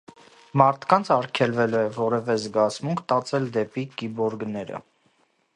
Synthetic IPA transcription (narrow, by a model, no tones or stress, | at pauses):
mɑɾt̪ʰkɑnt͡sʰɑɾkʰɛlvɛlɛvɔɾɛvɛzɡɑt͡smuŋkʰt̪ɑt͡sɛld̪ɛpikibɔɾɡnɛɾə̰